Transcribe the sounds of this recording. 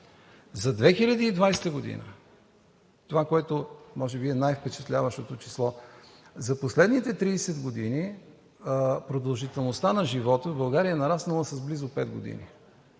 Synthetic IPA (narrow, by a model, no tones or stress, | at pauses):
zɐd̪vɛxilʲəd̪iːd̪vajsɛ̥t̪əɡod̪ḭnə̰ | t̪ovakoɛt̪omɔʒɛbiɛnajfpɛt͡ʃɛt̪lʲavəʃt̪ot̪ot͡ʃislˠɔ | zɐposlɛd̪nit̪ɛt̪ɾiːsɛd̪ɡod̪ini | pɾod̪ɐlˠʒit̪ɛlˠnost̪anɐʒivɔt̪əbɐlˠɡaɾijənɐɾasnɐlˠəsɐzblizʊpɛd̪ɡo̰d̪ḭnḭ